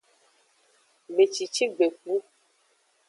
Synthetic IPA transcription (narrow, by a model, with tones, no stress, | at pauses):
be˨t͡ʃi˨t͡ʃi˦ɡ͡be˨k͡pu˦